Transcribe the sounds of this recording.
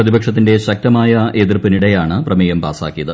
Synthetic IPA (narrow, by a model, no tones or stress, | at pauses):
prɐðibɐkʂɐt̪ːinde̞ɕɐk̚tɐmaːjɐʔeðirpiniɽejaːɳɨprɐmeːjɐmpa̰ːsa̰ːkːijɐðɨ